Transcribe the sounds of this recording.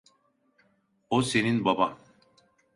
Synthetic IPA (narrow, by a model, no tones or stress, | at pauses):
oseninbaba